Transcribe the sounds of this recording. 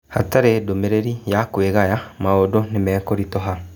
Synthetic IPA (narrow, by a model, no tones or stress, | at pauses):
ha̰taɾedomeɾeɾijakweɣajamaodonemɛːkoɾitɔɦa